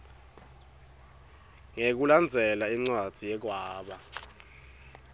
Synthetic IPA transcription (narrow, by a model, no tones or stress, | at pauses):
ŋek̬uland͡zʱɛlaiŋ͡ǀwad̥ʱijɛk̬waːɓa